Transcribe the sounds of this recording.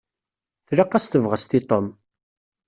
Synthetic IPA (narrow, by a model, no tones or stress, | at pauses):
θɾaqːast̪əvʁəst̪it̪ˤom